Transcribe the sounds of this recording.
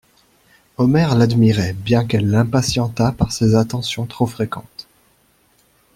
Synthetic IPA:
ɔmɛʁlad̪miʁɛbjɛ̃kɛlːɛ̃pasjɑ̃t̪apaʁsezat̪ɑ̃sjɔ̃t̪χofχekɑ̃t̪

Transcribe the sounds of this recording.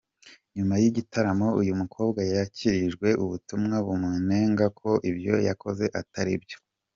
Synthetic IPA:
ɲumajiɟitaɾamo̞ujumukʰo̞ːbɡajaciɾiʒɡwe̞ʔuβutumŋaβumŋene̞ŋɡakʰo̞ʔibjo̞̰ja̰ko̞ze̞ʔataɾibjo̞̥

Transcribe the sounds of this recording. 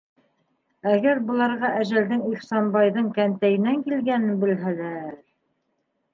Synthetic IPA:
æɡæɾbɤ̆lˠɑɾʁɑʔæʒæld̪ɘŋiχsɑnbɑjðɤɴkænt̪æjɘ̆næŋkilɡænɘnbɘ̆lɦælæɾ

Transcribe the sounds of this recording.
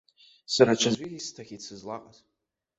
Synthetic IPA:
saɾat͡ʃʷʰazʷiɡʲistʰaχʲit͡sʰɨzlaqʼas

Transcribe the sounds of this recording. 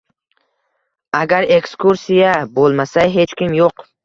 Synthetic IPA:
aɡʲaɾe̞kskʰuɾsijabolˠmasajɦe̞t͡ʃkʲɪmjoq

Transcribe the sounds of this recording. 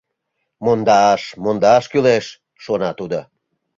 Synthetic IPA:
mond̪ɑʃmond̪ɑʃkyleʃː | onɑt̪ud̪o

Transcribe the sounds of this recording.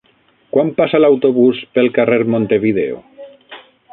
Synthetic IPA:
kwampasalawt̪oβuspelˠkareɾmõnt̪eβiðḛo̰

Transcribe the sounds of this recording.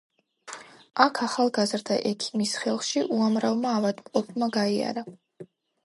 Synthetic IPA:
akʰaχalˠɡazɾd̪aʔɛkʰi̥misχɛlˠχʃiʔuamɾavmaːvad̪mqʼɔpʰmaɡaia̰ɾa

